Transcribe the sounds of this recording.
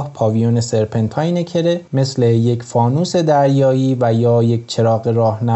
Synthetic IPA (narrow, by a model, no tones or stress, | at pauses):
hpʰɒːvijunese̞ɾpʰent̪ʰɒːjnecʰe̞ɾe̞me̞sleje̞cfɒːnuːse̞d̪æɾjɒːjiːvæjɒːjec̚ʰʲt͡ʃʰe̞ɾɒːɣe̞ɾɒːhnæ